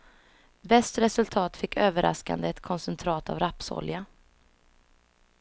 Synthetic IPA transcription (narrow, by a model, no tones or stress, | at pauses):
vɛst̪ɾɛsɵlt̪ʰɑːt̪fɪkːøːvəɾʔa̰ska̰nd̪əɛt̪kʰɔnsɛnt̪ʰɾɑːt̪a̰vɾapsɔ̰lja